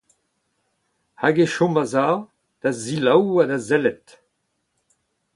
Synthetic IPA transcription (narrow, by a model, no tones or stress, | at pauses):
haɡeʃɔ̃maza | d̪̥azilawadazɛlɛt